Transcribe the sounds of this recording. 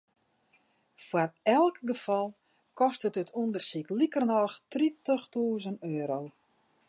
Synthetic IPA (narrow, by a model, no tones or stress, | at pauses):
fwarɛlˠkɡəfɔlˠ | kɔstətətʰundərsiklikərnɔxtritəxtuːzənøːɾow